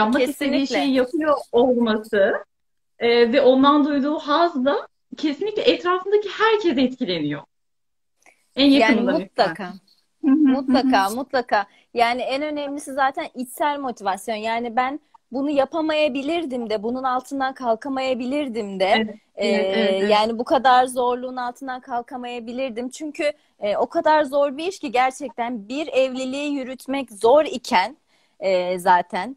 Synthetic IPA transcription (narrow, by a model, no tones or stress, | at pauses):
japmaeisenːiʃʲejjapʰɯjoːlˠmasɯ | ɛːvɛʔo̞nd̪and̪ujd̪uːɦazd̪a | cʰesinlʲiclʲɛʔɛt̪ɾaːfɯnd̪acihæɾcʰɛzɛt̪cʰilʲe̞nijo̞ | ænjaaːɯnimmut̪̚lˠakʰaː | mut̪lˠakʰaːmut̪lˠakaː | jaːniɛnø̞nɛmlʲisizaːt̪ʰænit͡ʃ̪sælʲmo̞t̪ʰivasjo̞njaːnibænbunujapʰamajabilʲiɾd̪imd̪ɛbununalˠt̪ʰɯnd̪akʰalˠkʰamajabilʲiɾd̪imd̪ɛ | jaːnibukʰad̪aɾzo̞ɾlˠunalˠt̪ʰɯnd̪akʰalˠkʰamajabilʲiɾd̪imt͡ʃʰyɲcʰy | ɛo̞kʰad̪aɾzo̞ɾbiiʃciɟæɾt͡ʃʰɛc̚t̪ʰænbiɾɛvlʲilʲiːjyɾyt̪ʰmɛczo̞ɾicʰæn | ɛːzaːt̪ʰæn